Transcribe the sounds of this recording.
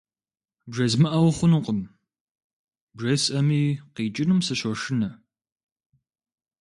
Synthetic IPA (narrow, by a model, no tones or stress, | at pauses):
bʒɐzmɨʔɐwχʷʊnɨqəm | bʐɐsʼʔɐmiːqiːt͡ʃʼɪnumsɨɕɔʂɪnɐ